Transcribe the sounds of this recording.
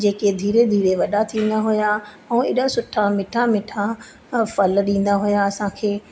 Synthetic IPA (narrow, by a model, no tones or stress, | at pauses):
d͡ʑeːked̪ʱiːɾed̪ʱiːɾeʋɐɗat̪ʰĩːn̆d̪aɦʊja | ɛ̃ːɪɗasʊʈʰamɪʈʰamɪʈʰa | fɐlɗĩːn̆d̪aɦʊjaɐsãkʰeː